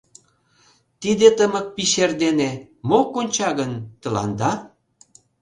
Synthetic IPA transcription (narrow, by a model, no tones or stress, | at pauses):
t̪id̪et̪əmə̆k̚piʃerd̪ene | mokonʲt͡ɕɑɣənt̪ə̆lɑ̰nd̪ɑ